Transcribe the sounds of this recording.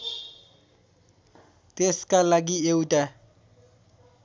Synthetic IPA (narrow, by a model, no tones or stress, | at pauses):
teskalak̬ieuta